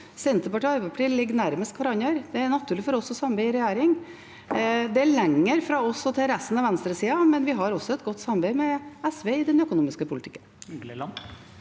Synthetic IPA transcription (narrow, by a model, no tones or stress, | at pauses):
sɛnt̪əpɑʈiːɑɾbɛpʰɑʈiːlɪɡːnæɾməst̪kʋɑɾɑnjœɾd̪ɛæɳɑt̪ʰʉːɭɪfɔɾɔsːɔsɑmbæɪɪɾɛjæːɾɪŋ | d̪ɛæɭɛŋːəɾfɾɑːɔsɔt̪ʰɪlɾɛst̪n̩ɑʋɛnst̪ɾəsiːɑmɛnʋɪɦɑɾɔsɔɛt̪ɡɔt̪ːsɑmbæɪmɛɛsʋeɪɪd̪ɛnœkʊnuːmɪskəpʰʊlɪt̪ʰɪ̥kːən